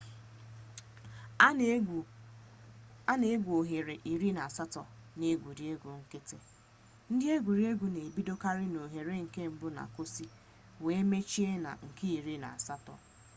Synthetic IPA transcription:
a˦ne˦ɡʷo˨ɦe˨ɾe˨ʔi˨ɾi˦na˨a˨sa˦tɔ˨ne˦ɡʷu˨dɪ˨e˦ɡʷu˨ŋ̩˦kɪ˦te˦ | n̩˦dɪ˦e˦ɡʷu˨ɾi˦e˦ɡʷu˨ne˨bi˦do˦ka˦ɾɪ˦no˨ɦe˨ɾe˦ŋ̩˨ke˦˨m̩˦bʊ˦na̰˨kʊ˦si˦ | we˨e˦me˦t͡ʃi˦e˦na̰˨ŋ̩˨ki˦i˨ɾi˦na̰˨a˨sa˦tɔ̰˨

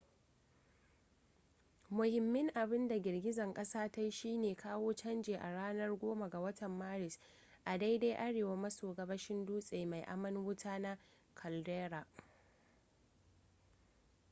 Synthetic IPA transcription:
mʊ˨hɪ˨mːɪ˦ŋʔa˨bɪ˦nda˨ɡʲɪ˨rɡʲɪ˦zɐ˨ŋkʼɐ˦saː˦ta˦jʃiː˦neː˨kʰaː˦woː˦t͡ʃɐ˦nd͡ʒeː˨ʔa˨ɽaː˦nɐ˦rɡʷoː˦ma˨ɡa˨wɐ˦tʰɐ˨mːaː˦ɾɪ˨s | ʔa˨da˦jda˦jʔa˦ɽeː˨wa˦mɐ˦soː˨ɡɐ˦bɐ˦ʃɪ˦nduː˦sʼeː˨ma˨jʔa̰˦mɐ˦nwʊ˦tʰaː˦na˦ | kʰɐ˨ldeː˦ɾa˨ʔ

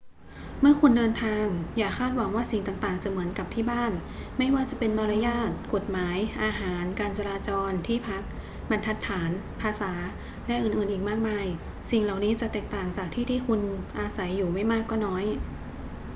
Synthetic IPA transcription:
mɯ˥˩ɐkʰu˧ndɤː˧nt̪ʰaː˧ŋjaː˨˩kʰaː˥˩t̪̚wa˩˦ŋwaː˥˩si˨˩ŋt̪aː˨˩ŋt̪aː˨˩ŋt͡ɕa˨˩mɯ˩˦ənka˨˩p̚t̪ʰiː˥˩baː˥˩nma˥˩jwaː˥˩t͡ɕa˨˩pe˧nmɔː˧ɾa˧˥jaː˥˩t̪̚ko˨˩t̪̚maː˩˦jʔaː˧ɦaː˩˦nkaː˧nt͡ɕa˧laː˧t͡ɕɔː˧nt̪ʰiː˥˩pʰa˦˥k̚ | ba˧nt̪ʰa˦˥t̪ʰːaː˩˦n | pʰaː˧saː˩˦ | lɛ˦˥ʔɯː˨˩nʔɯː˨˩nʔiː˨˩k̚maː˥˩k̚maː˧j | si˨˩ŋla˨˩wniː˦˥t͡ɕa˨˩t̪ɛː˨˩k̚t̪aː˨˩ŋt͡ɕaː˨˩k̚t̪ʰiː˥˩t̪ʰiː˥˩kʰu˧nʔaː˧sa˩˦jːuː˨˩ma˥˩jmaː˥˩kːɔː˥˩nɔː˦˥j

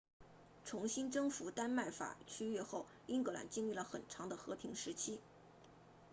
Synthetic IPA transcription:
ʈ͡ʂʰʊ˧˥ŋɕi˥nʈ͡ʂɤ˥ŋfu˧˥t̪a˥nma˥˩ɪfa̰˨˩t͡ɕʰy˥ɥɛ˥˧xo˥˩ʊ | i˥nkɤ˧˥la̰˨˩nt͡ɕi˥˧ŋli˥˩lə˩xə̰˨˩nʈ͡ʂʰɑ˧˥ŋd̪ə˧xɤ˧˥pʰi˧˥ŋʂɻ̩˧˥t͡ɕʰi˥

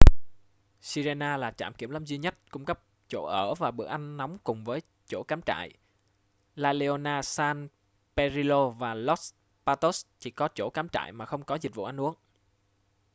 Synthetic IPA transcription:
si˧ze˧naː˧laː˨˩t͡ɕaː˧˩mki˧˩əmlə˧mzi˧ɲə˦˥t̚kʊ˧ŋ͡mkə˦˥p̚ | t͡ɕo̰˧˩ʔəː˧˩vaː˨˩ɓɨ˨˩ək̚ʔa˧jŋ̟na˨˦wŋ͡mkʊ˨˩ŋ͡mvəː˨˦j | t͡ɕo˧˩kaː˨˦mt͡ɕa̰ː˧˨j | laː˧˩le˧o˧naː˧saː˧n | pɛ˧zi˧lo˧vaː˨˩lɔ˦˥ | paː˧t̪o˦˥st͡ɕi˧˩kɔ˨˦t͡ɕo̰˧˩kaː˨˦mt͡ɕa̰ː˧˨jmaː˨˩xə˧wŋ͡mkɔ˨˦zi˨˩t̚vṵ˧˨ʔa˧jŋ̟ʔu˨˦əŋ

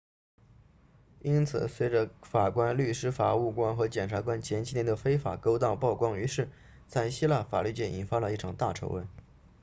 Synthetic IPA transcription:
i˥nt͡sʰɹ̩˨˩swe˥ɪʈ͡ʂə˧˦fa˨˩kwa˥nly˥˩ʂɻ̩˥fa˨˩u˥˩kwa˥nxɤ˧˥t͡ɕjɛ˨˩nʈ͡ʂʰa˧˥kwa˥nt͡ɕʰjɛ˧˥nt͡ɕʰi˥njɛ˧˥nd̪ə˧fe˥ɪfa̰˨˩ko˥ʊt̪ɑ˥˧ʊpɑ˥˩ʊkwɑ˥ŋy˧˥ʂɻ̩˥˩ | t͡sa˥˩ɪɕi˥la˥˩fa̰˨˩ly˥˧t͡ɕjɛ˥˩ni˨˩nfa˥lə˧i˥˩ʈ͡ʂʰɑ˨˩ŋt̪a˥˩ʈ͡ʂʰo˧˥wə̰˧˥˩ɪ

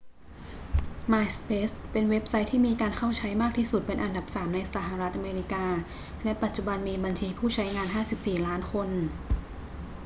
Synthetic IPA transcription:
maː˧jspeː˦˥spe˧nwe˦˥p̚sa˦˥jt̪ʰiː˥˩miː˧kaː˧nkʰa˥˩wt͡ɕʰa˦˥jmaː˥˩k̚t̪ʰiː˥˩su˨˩t̪̚pe˧nʔa˧nda˨˩p̚saː˩˦mna˧jsa˧˩˦ɦa˨˩ɾa˦˥t̪̚ʔa˧meː˧ɾi˦˥kaː˧ | lɛ˦˥pa˨˩t̪̚t͡ɕu˨˩ba˧nmiː˧ba˧nt͡ɕʰiː˧pʰuː˥˩t͡ɕʰa˦˥jŋaː˧nɦaː˥˩si˨˩p̚siː˨˩laː˦˥nkʰo˧n

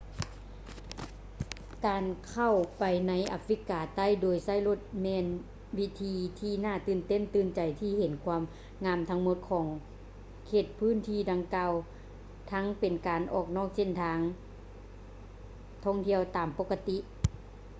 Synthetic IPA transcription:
kaː˨nkʰa˧˩wpa˨jna˧˥jʔa˧fɾi˧˥kaː˨˩t̪a˥˨jdoː˨˩jsa˧˥˩jlo˧˩t̪̚mɛː˧n | wi˦˧˥t̪ʰiː˧t̪ʰiː˧˩naː˧˩t̪ɯː˧˩nt̪e˧˥˨nt̪ɯː˧˩nt͡ɕa˨jt̪ʰiː˧˩he˨˦nkʰwaː˧˥m | ŋaː˧˥˨mt̪ʰa˧ŋmo˧˦t̪̚kʰɔː˨˩˦ŋ | kʰeː˧˩t̪̚pʰɯː˧˥˨nt̪ʰiː˧˩da˨ŋkaː˧w | t̪ʰa˧˥ŋpe˨nkaː˨nʔɔ̰ː˧˩k̚nɔː˧˥˩k̚se˧˨nt̪ʰaː˧˥ŋ | t̪ʰɔː˧˥˩ŋt̪ʰi˧˥˩əwt̪aː˨mpo˧˥kːa˧t̪i˧˥ʔ

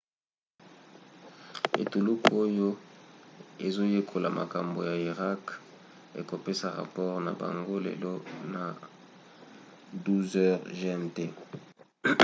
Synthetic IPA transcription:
ḛ˨tu˨lu˦ko˦jo˦ | e˨zo˦je˦kʰo˨la̰˨mʔa̰˨ka˨mbo˨ja˨i˨ʁa˦k | ḛ˨ko˨pe˦sa˨ʁa̰˨pɔ˦ʁna̰˨ba̰˨ŋɡo˦lḛ˨lo˦na˨ | du˦zɛ˦ʁʒnte˦

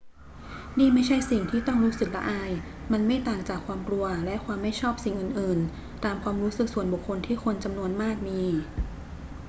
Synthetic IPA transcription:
niː˥˩ma˥˩jt͡ɕʰa˥˩jsi˨˩ŋt̪ʰiː˥˩t̪ɔ˥˩ŋɾuː˦˥sk̪̚la̰˦˥ʔaː˧j | ma˧nma˥˩jt̪aː˨˩ŋt͡ɕaː˨˩kʰwaː˧mklu˧ɐlɛ˦˥ʔkʰwaː˧mːa˥˩jt͡ɕʰɔː˥˩p̚si˨˩ŋʔɯ˨˩nʔɯː˨˩n | t̪aː˧mkʰwaː˧mɾuː˦˥sɯ˨˩k̚su˨˩ənbu˨˩kʰːo˧nt̪ʰiː˥˩kʰo˧nt͡ɕa˧mnu˧ənmaː˥˩k̚miː˧

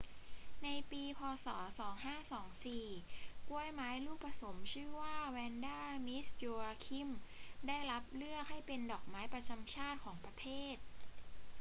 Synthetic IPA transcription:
na˧jpiː˧pʰɔː˧sɔ̰ː˩˦sɔː˩˦ŋhaː˥˩sɔː˩˦ŋsiː˨˩ku˧əjmaː˨˦˥jɾuː˥˩pːɾa˧so˩˦mt͡ɕʰɯː˥˩waː˥˩wɛː˧ndaː˥˩mi˦˥sjoː˧aː˧kʰi˥˩mdaː˥˩jla˦˥p̚lɯ˥˩ək̚ha˥˩jpe˧ndɔː˨˩k̚maː˦˥jpɾa˧t͡ɕa˧mt͡ɕʰaː˥˩t̪̚kʰɔː˩˦ŋpɾa˧t̪ʰeː˥˩t̪̚

